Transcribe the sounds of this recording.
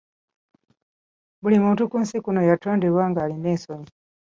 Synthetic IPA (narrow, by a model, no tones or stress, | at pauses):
bulimuːntukuːnsikuno̞jatoːndiβwaːŋɡaːlineːsoɲi